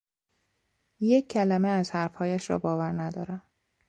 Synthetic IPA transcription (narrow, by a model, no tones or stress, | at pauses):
jecʰːælæmeæzhæɾfhɒːjæʃɾɒ̰ːbɒːvæɾnæd̪ɒːɾæm